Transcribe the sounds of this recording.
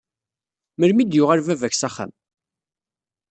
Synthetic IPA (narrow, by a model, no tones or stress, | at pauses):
məɾmid̪jʊʁəɾvævæçsæχæ̰m